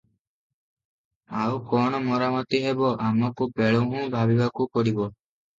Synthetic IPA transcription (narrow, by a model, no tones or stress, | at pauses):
awkɔɽ̃ɔmɔɾamɔt̪iɦebɔʔamɔkupeɭuɦũbʱabibakukɔɽibɔ